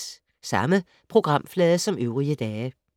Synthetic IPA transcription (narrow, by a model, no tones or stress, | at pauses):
sɑ̈mə | pʰʁo̝ɡ̥ʁɑ̈m̰flɛːðˠəsɒ̽møʊʁiəd̥ɛː